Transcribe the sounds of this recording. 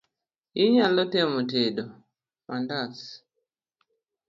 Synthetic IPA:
iɲalɔtɛmɔteɗɔ | mandas

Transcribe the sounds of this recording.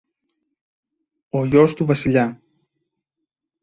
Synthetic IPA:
oʝo̞st̪uvɐsiʎɐ

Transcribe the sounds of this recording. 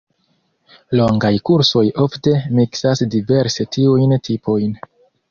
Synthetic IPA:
lo̞ŋɡajkuɾso̞jo̞fte̞miksasdive̞ɾsetʰiujntʰipʰo̞jn

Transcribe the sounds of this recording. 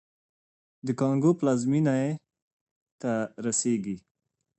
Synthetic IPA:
d̪əkɑŋɡoplazminae | t̪aɾaseɡi

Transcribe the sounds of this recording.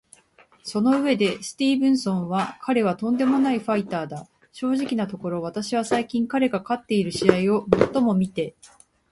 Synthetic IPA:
so̞no̞ɯ̟βe̞d̪e̞sɨ̥t̪ʲiːbɯ̟̃ɰ̃sõ̞ɰ̃βakʰaɾe̞β̞at̪õ̞nd̪e̞mo̞naiɸait̪aːd̪a | ɕo̞ːʑikʲinat̪o̞ko̞ɾo̞β̞at̪aɕiβ̞asaikʲĩŋkaɾe̞ɡakat̪ːe̞iɾɯ̟ɕiaio̞mo̞t̪ːo̞mo̞mʲit̪e̞

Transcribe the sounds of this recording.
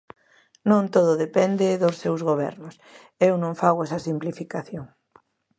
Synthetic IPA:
nõnt̪oðʊðepɛnd̪eðʊsːewzɣoβɛ̰ɾnʊs | ewnõŋfaɣwɛsɐsimplifikaθjoŋ

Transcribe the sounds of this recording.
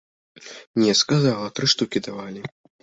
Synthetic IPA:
nʲɛskazalˠɐt̪ɾɨʂt̪ukʲid̪avalʲi

